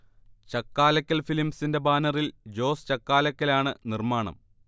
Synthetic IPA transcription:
t͡ɕɐkːaːlɐkʲːɐlfilimsinde̞baːnɐrild͡ʑo̞ːst͡ɕɐkːaːlɐkʲːɐlaːɳɨnirmaːɳɐ̰m

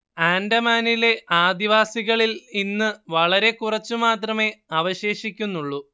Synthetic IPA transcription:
aːndɐmaːnile̞ʔaːd̪iʋaːsiɣɐɭilinːɨʋɐɭɐɾe̞kurɐt͡ɕːumaːt̪rɐme̞ɐʋɐɕe̞ːɕikʲːunːuɭːu

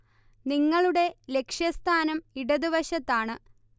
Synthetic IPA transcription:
niŋːɐɭuɽe̞le̞kʂjɐst̪ʰaːnɐmiɽɐðiʋɐɕɐt̪ːaːɳɨ

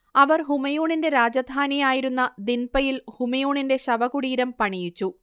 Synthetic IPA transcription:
ɐʋɐrɦumɐjoːɳinde̞ɾaːd͡ʑɐd̪ʱaːnijaːjiɾunːɐd̪inpɐjilhumɐjoːɳinde̞ɕɐʋɐɣuɽiːɾɐmpɐɳijit͡ɕːu

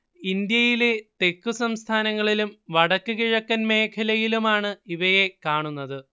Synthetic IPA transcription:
ind̪jɐjile̞t̪e̞kːusɐmst̪ʰaːnɐŋːɐɭilumʋɐɽɐkːɨkiɻɐkːɐnme̞ːkʰɐlɐjilumaːɳɨiʋɐjekaːɳunːɐðɨ

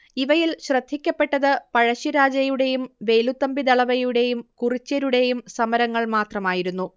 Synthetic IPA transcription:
iʋɐjilɕrɐd̪ʱːikʲːɐpːe̞ʈːɐðɨpɐɻɐɕiɾaːd͡ʑɐjuɽe̞jumʋe̞ːlut̪ːɐmbid̪ɐɭɐʋɐjuɽe̞jumkurit͡ɕːɐɾuɽe̞jumsɐmɐɾɐŋːɐɭmaːt̪rɐmaːjiɾunːu

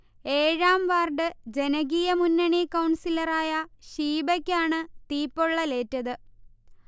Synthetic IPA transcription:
e̞ːɻaːmʋaːrɖɨd͡ʑe̞nɐɣijɐmunːɐɳikɐwɳsilɐraːjɐɕiːbɐkʲːaːɳɨt̪iːpːoɭːɐle̞ːtːɐðɨ

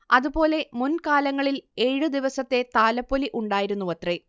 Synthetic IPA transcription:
ɐðupo̞ːle̞munkaːlɐŋːɐɭile̞ːɻɨd̪iʋɐsɐt̪ːe̞t̪aːlɐpːoliʔuɳɖaːjiɾunːuʋɐt̪re

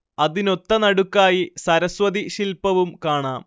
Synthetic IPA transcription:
ɐðino̞t̪ːɐnɐɽukːaːjisɐɾɐswɐðiɕilpɐʋumkaːɳaːm

